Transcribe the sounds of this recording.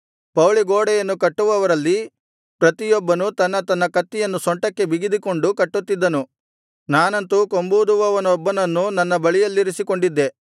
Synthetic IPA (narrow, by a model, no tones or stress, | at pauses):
pɐwɭiɡoːɽɛjɐnːukɐʈːuʋɐʋɐɾɐlːi | pɾɐt̪ijɔbːɐnut̪ɐnːɐt̪ɐnːɐkɐt̪ːijɐnːusɔɳʈɐkːe̞biɡid̪iko̞ɳɖukɐʈːut̪ːid̪ːɐnu | naːnɐnt̪uko̞mbud̪uʋɐʋɐnɔbːɐnɐnːunɐnːɐbɐɭijɐlːiɾisikoɳɖid̪ːe̞